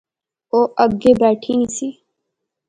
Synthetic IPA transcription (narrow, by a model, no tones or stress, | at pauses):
oːʔɐb̚ɡeːbɛːʈʰinisiː